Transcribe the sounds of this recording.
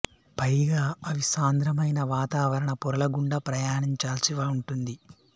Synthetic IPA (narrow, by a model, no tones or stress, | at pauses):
pɐjɡaːɐʋisaːnd̪ɾɐmɐjnɐʋaːt̪aːʋɐɾɐɳɐpɔɾɐlɐɡuɳɖɐpɾɐjaːɳiɲt͡ʃaːlsiʋaːuɳʈund̪i